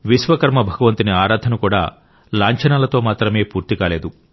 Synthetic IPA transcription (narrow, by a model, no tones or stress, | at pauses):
ʋiʃʋɐkɐɾmɐbʱɐɡɐʋɐnt̪iniaːɾaːd̪ʱɐnukuːɽaː | laːɲt͡ʃɐnaːlɐt̪o̞ːmaːt̪ɾɐme̞ːpuːɾt̪ikaːleːd̪u